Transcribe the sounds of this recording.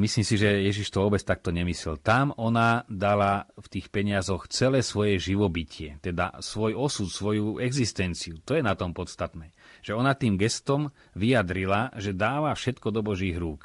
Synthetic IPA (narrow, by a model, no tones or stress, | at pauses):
misliːmsiʒɛjɛʒiʃt̪ɔʋɔːbɛt͡st̪ak̚t̪ɔɲɛmislɛlt̪amʔɔnad̪alaft̪iːxpɛɲɪazɔxt͡sɛlɛːsʋɔjɛʒiʋɔbicɪɛt̪ɛd̪a̰sʋɔjɔsut̪sʋɔjuɛɡzist̪ɛnt͡siut̪ɔjɛnat̪ɔmpɔt̪st̪at̪nɛːʒ̥ɛɔnat̪iːmɡɛst̪ɔm | ʋijad̪ɾilaʒɛd̪aːʋafʃɛt̪kɔd̪ɔbɔʒiːɦɾuːk